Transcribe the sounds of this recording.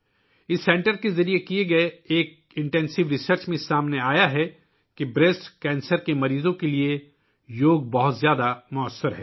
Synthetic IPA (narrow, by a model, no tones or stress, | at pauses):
ɪsːɛ̃ːɳʈəɾkezɐɾiekieɡɐeeːk̚ | ɪ̃ɳʈɛ̃ːnsɪʋɾɪsəɾt͡ʃmẽɪsaːmneaːjaɦɛ | kibɾesʈkɛ̃ːnsəɾkemɐɾiːzõkelie | joːɡ̚bɐɦʊt̪zjaːd̪amʊəsːəɾɦɛː